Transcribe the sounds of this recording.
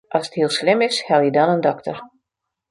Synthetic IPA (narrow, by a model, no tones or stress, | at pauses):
ʔɑsəthiəlˠslɪmɪshɛlˠjədɔnəndɔktər